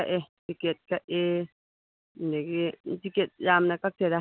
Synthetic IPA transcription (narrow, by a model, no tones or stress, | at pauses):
aʔet̪iket̪̚kaʔe | neket̪iket̪̚jamnakak̚t̪ed̪a